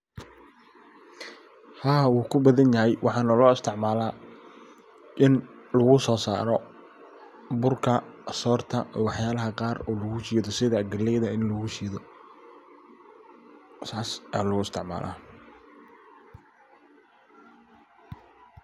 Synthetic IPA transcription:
haːwuːkʰʊbɐðɐnjɐɦɛjwʔɑħɑːnɐlɔːɪst̪ʰɪʕmaːlaː | ʔɪnlɐɣʊsɔːsa̰ːɾɔ | bʊrkʰɐsɔːrt̪ʰɐːwɑħjaːlɐɦɐqɑːrɔːlɐɣʊt͡ʃiːðɔsɪðɐɡɐlɛjðɐɪnlɐɣʊʃiːðɔ | saːsaːlɣʊɪst̪ʰɪʕma̰ːlʔa̰ː

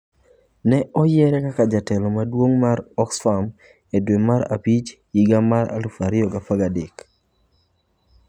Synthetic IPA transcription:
nɛʔɔjɛɾɛkakad͡ʒatɛlɔmadwoŋmaɾɔksfam | edwemaɾa̰pit͡ʃ | iɡamaɾa̰lufaɾɪɔɡapaɡadek

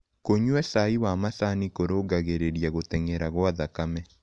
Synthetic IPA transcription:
koɲwɛsaiwamasanikoɾoːɡaɣeɾeɾiaɣoteŋeɾaɣwaðakamɛ

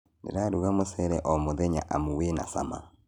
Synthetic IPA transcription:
nḛɾaɾuɣamosɛɾɛʔɔmoðɛɲa̰ʔamuwena̰sa̰ma̰

